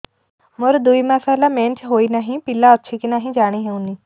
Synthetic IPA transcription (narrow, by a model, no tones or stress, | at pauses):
moɾd̪uimasaːlamẽːnt͡ʃʰɦoːinaɦĩpilaɔtːʃʰikinaːɦĩd͡ʒaːɽ̃iɦeũni